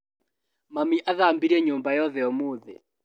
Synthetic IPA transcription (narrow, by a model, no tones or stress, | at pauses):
mamiʔaðambiɾɛɲʊmbajɔðɛɔmoːðɛ̰